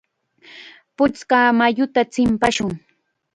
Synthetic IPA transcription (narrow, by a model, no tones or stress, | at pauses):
pʊt͡skaːmajʊt̪at͡sɪmpaʃʊŋ